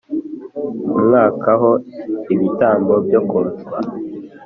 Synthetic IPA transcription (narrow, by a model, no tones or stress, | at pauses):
mŋaːkaɦoiβitaːŋɡobjokoɾta